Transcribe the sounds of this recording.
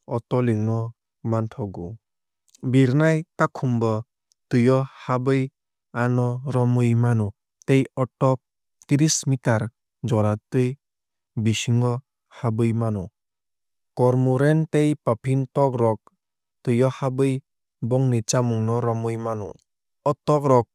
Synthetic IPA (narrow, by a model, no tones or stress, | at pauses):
ɔtɔliŋnɔ | mantʰɔɡu | biɾnajtakʰumbɔ | tɯjɔhabɯj | anɔɾɔmɯjmanɔ | tejɔtːɔk̚ | t̪iɾismitaɾ | d͡ʒɔɾatɯj | bisiŋɔ | habɯjmanɔ | kɔɾmuɾentejpapʰintɔk̚ɾɔk̚ | tɯjɔhabɯj | bɔŋnit͡ʃamuŋnɔɾɔmɯjmanɔ̰ | ɔtɔk̚ɾɔk̚